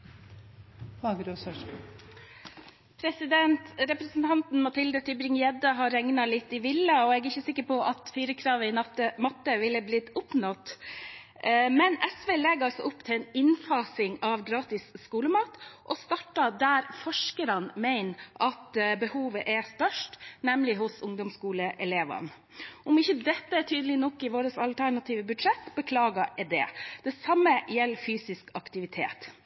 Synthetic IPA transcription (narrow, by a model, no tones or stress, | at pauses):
hɑɡɾosɑʂ | pʰɾɛsɪd̪ɛnt̪ɾɛpɾəsnt̪ʰɑnt̪n̩mɑt̪ʰɪld̪ət̪ʰʏbɾɪŋjɛd̪əɦɑɾɛŋnɑlɪt̪ːɪʋɪlːɑɔɛɡɪçəsɪkːəɾpɔʔɑt̪fiːɾəkʰɾɑːʋəɪnəmɑt̪ːəʋɪlːəblɪt̪ʊpnɔt̪ | mɛnɛsʋeːlɛɡɑlsɔʔʊpːt̪ʰɪlɛnɪnfɑːsɪŋɑʋɡɾɑːt̪ɪsːkuːləmɑːt̪ʔɔst̪ɑʈːɑd̪æɾfɔʂkəɾɑnmæɪnʔɑt̪bəhuːʋəʔɛst̪œʂʈnɛmlɪɦʊsʊŋd̪ɔmskuːləʔɛleːʋɑ̰n | ɔmɪçəd̪ɛt̪ːəɛtʰyːd̪əlɪnɔkːɪʋoːɾəsɑlt̪ʰæɳɑt̪ʰiːʋəbʉd̪ʂɛt̪ːbəkʰlɑːɡɑd̪ɛ̰ːd̪̥ɛsɑmːəjɛlːfyːsɪskɑkt̪ɪʋɪt̪ʰḛːt̪